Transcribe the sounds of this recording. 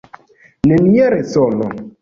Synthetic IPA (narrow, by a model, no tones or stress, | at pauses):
nenieɾesɔlɔ